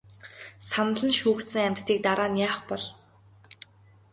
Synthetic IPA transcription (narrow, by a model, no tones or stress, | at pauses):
sanə̆ɮə̆nʃuːkt̪sɘ̆ŋamʲt̪ʰːiːk̚t̪aɾaːnjaːχpɔɮ